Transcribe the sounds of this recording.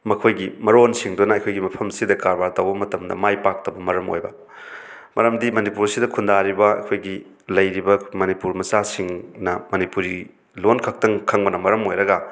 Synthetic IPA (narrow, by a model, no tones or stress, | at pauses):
mɐkʰojɡimɐɾonsiŋdonɐɐjkʰojɡimɐpʰɐmsidɐkaɾbaɾtɐwbɐmɐtɐmdɐ̰majpak̚tɐbɐmɐɾɐmo̰jbɐ | mɐɾɐmdimɐnipuɾsidɐkʰundaɾibɐɐ̰kʰojɡi | lɐjɾibɐmɐnipuɾmɐsasiŋnɐmɐnipuɾi | lonkʰɐk̚tɐŋkʰɐŋbɐnɐmɐɾɐmojɾɐɡɐ